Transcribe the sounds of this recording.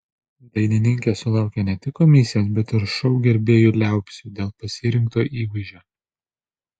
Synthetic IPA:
d̪ɐɪnʲɪnʲɪŋʲkʲesʊlˠɑˑʊkʲenʲɛt̪ʲɪkːɔmʲɪsʲɪjos̬bʲɛt̪ɪɾʃɔʊɡʲɛɾʲbʲeːjuːlʲæˑʊpʲsʲuːd̪ʲeːlˠpɐsʲɪɾʲɪŋkt̪oːʔiːʋɐɪʒʲoː

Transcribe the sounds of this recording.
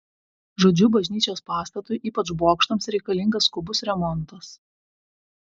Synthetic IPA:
ʒoːd͡ʒʲuːbɐʒʲnʲiːt͡ʃʲoːspɑːst̪ɐt̪ʊjʔiːpɐt͡ʃboːkʃt̪oːmsɾʲɛɪkɐlʲɪŋɡɐskʊbʊsɾʲɛmɔnt̪ɐs

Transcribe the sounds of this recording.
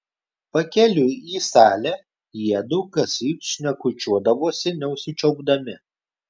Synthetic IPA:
pɐkʲɛlʲʊiːsɑːlʲæː | jiɛd̪ʊːkɐsʲiːpʃʲnʲɛkʊt͡ʃʲuɔd̪ɐʋoːsʲɪnʲɛʊʃʲsʲɪt͡ʃʲɛʊɡd̪ɐmʲɪ

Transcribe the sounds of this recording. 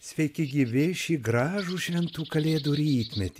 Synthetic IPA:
sʲʋʲɛɪkʲɪɡʲiːʋʲɪʃʲiːɡɾɑːʒuːʃʲʋʲɛnt̪uːkɐlʲeːd̪uɾʲiːt̪ʲmʲɛt̪ʲː

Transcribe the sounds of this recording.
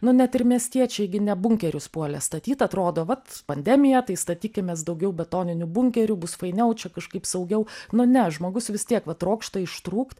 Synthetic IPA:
nʊnʲɛt̪ɪɾmʲiɛsʲt̪ʲiɛt͡ʃʲɛɪɡʲɪnʲɛbʊŋʲkʲɛɾʲʊspuɔlʲɛst̪ɐt̪ʲiːt̪ɐt̪ɾoːd̪oːʋɐt̪pɐnʲd̪ʲæmʲɪjɛt̪ɐɪst̪ɐt̪ʲiːkʲɪmʲeːsd̪ɐʊɡʲɛʊbʲɛt̪oːnʲɪnʲubʊŋʲkʲɛɾʲʊbʊsfɐɪnʲɛʊt͡ʃʲɛkɐʃkɐɪpsɐʊɡʲɛʊnʊnʲɛʒmoːɡʊsʋʲɪst̪ʲiɛkʋɐt̪ɾoːkʃt̪ɐɪʃt̪ɾuːkt̪

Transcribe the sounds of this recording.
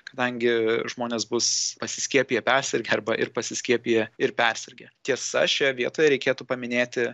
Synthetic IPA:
kɐd̪ɐŋʲɡʲɪʒmoːnʲeːsbʊspɐsʲɪsʲkʲiɛpʲijɛpʲɛɾʲsʲɛɾʲɡʲɛɐɾbɐʔɪɾpɐsʲɪsʲkʲiɛpʲijɛɪɾpʲɛɾʲsʲɛɾʲɡʲɛt̪ʲiɛsɐ̰ʃʲɛʋʲiɛt̪oːjɛɾʲɛɪkʲeːt̪uːpɐmʲɪnʲeːt̪ʲɪ

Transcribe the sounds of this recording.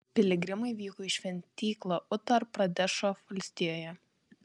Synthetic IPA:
pʲɪlʲɪɡɾʲɪmɐɪʋʲiːkɔːɪʃʲʋʲɛnʲt̪ʲiːklˠoːʔʊt̪ɐɾpːɾɐd̪ʲæʃoːʋɐlʲsʲt̪ʲɪjoːjɛ

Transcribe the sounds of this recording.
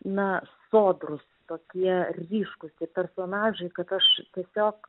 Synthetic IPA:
nɐsoːd̪rʊst̪oːkʲiɛrʲiːʃkʊst̪ʲiɛpʲɛrsoːnɑːʒɐɪkɐt̪ɐʃt̪ʲiɛsʲoːk

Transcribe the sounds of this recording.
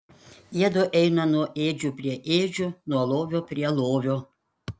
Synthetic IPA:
iɛd̪oʔɛɪnɐnuɔʔeːd͡ʒʲuːpʲɾʲiɛʔeːd͡ʒʲuːnuɔlˠoːʋʲoːpʲɾʲiɛlˠoːʋʲoː

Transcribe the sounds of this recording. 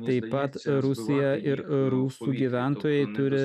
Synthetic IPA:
t̪ɐɪppːɐt̪ɾʊsʲɪjɛʔɪɾɾuːsuːɡʲiːʋʲæˑnt̪oːjɛɪt̪ʊɾʲɪ

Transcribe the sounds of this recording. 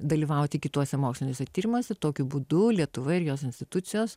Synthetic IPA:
d̪ɐlʲiːʋɐˑʊt̪ʲɪkʲɪt̪uɔsʲɛmoːksʲlʲɪnʲoːsʲɛt̪ʲiːɾʲɪmoːsʲɛt̪oːkʲʊbuːd̪ʊlʲiɛt̪ʊʋɐɪɾjoːsɪnʲsʲt̪ʲɪt̪ʊt̪sʲɪjoːs

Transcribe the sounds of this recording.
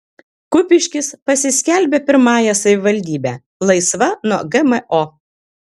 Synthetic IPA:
kʊpʲɪʃʲkʲɪspɐsʲɪsʲkʲælʲbʲeːpʲɪɾmɑːjɛsɐʋʲɪʋɐlʲd̪ʲiːbʲæː | lˠɐɪsʋɐnuɔɡɛmɛʔo

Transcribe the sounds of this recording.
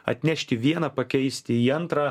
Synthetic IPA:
ɐ̰t̪ʲnʲɛʃʲt̪ʲɪʋʲiɛnɐpɐkʲɛɪsʲt̪ʲɪiːɐnt̪ɾɑː

